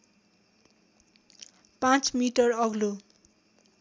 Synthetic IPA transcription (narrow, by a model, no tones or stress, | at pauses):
pãt͡smiʈʌrʌɡlo